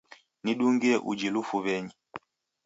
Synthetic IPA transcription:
niɗuŋɡiɛʔṵd͡ʒilufuβɛɲi

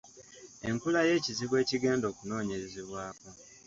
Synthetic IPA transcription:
e̞ŋkulaje̞ːciziβwe̞ːciɡe̞ːndo̞ːkuno̞ːɲeɾezeβwaːko

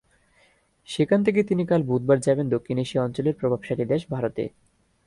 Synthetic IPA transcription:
ʃekʰant̪ʰek̬et̪inikalbud̪̚baɾd͡ʑabend̪okʰːineʃeɔnt͡ɕoleɾpɾobʱab̥ʃaʈid̪ɛʃbʱaɾot̪ḛ

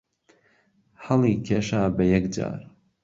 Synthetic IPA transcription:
ħɐlˠiːkʰeːʃaːbɐjɛkd͡ʒa̰ːɾ

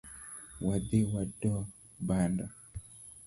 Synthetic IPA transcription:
wad̪iwadɔ | banda

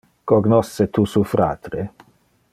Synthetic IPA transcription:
koɡnɔsːet̪usufɾa̰ːt̪ɾe

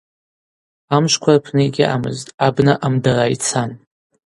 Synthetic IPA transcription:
amʃʷkʷʰarpʰnɨɡʲɪʔa̰mɨ̰ztʼabnɨʔamdarajt͡sʰan

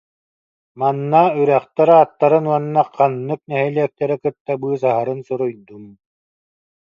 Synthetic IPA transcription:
manːayɾæχt̪aɾat̪ːaɾɯnuɔnːaqanːɯk̚nɛɦɛliɛk̚t̪ɛɾɛkɯt̪ːabɯːs̬aɦaɾɯnsuɾujd̪um

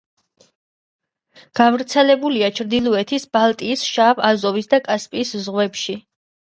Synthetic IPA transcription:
ɡ̥avɾt̪sʰɛlɛbuliat͡ʃʰɾd̪ilˠɔɛt̪ʰisbalˠt̪ʼiːsʃaːvazɔvisd̪akʼaspʼiːszʁwɛpʃi

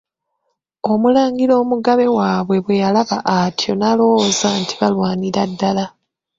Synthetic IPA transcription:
o̞mulaːŋɡilo̞ːmuɡaβe̞waːβwe̞βwe̞jalaβaʔatʰjo̞nalo̞zanti̥βalwaːniɾadːala

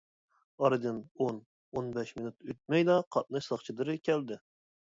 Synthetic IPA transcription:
ɑɾɨd̪ɨnon | onbɛʃminut̪ʰøt̪̚mɛjd̪ɑqʰɑt̪̚nɨʃsɑχt͡ʃʰid̪ɨɾɨkʲʰɛld̪ɪ

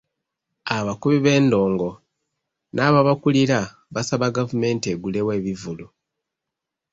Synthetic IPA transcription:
aβakuβiβe̞ːndo̞ːŋɡo̞ | nʔaːβaβakuliɾa | βasaβaɡavume̞ːntieɡule̞we̞ːβivulu

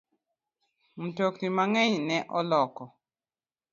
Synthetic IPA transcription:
m̩toktimaŋɛɲnɛʔɔlɔkɔ

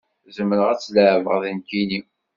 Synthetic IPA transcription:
zəmːəɾəʁæt͡sːləʕvə̰ʁðənkini

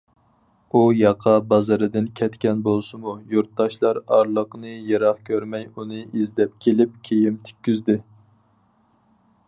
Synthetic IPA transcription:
ujɑqʰɑbɑzɨɾɨd̪ɨnkʲʰɛt̪kʲɛnbolˠsɨmujuɾt̪̚d̪ɑʃlˠɑɾɑɾlˠəqnɨjeɾɑχkʲʰøɾmɛjunɨizd̪ɛp̚kʲʰelɪp̚kʲʰejimt̪ʰy̥kʲːyzd̪ɪ

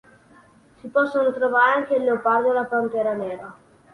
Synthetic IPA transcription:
sipɔsːonot̪ɾovaːɾeaŋkelːeopard͡ʒ̪oalapant̪ɛːɾanɛːɾa

